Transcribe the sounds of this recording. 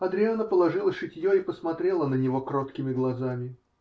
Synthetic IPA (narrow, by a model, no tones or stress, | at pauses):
ɐd̪ɾʲɪovnəpəlˠɐʐɨlˠəʂɨtʲjoipəsmɐt̪ɾʲe̞lˠənənʲɪvo̞kɾo̞t̪kʲɪmʲɪɡlˠɐzamʲɪ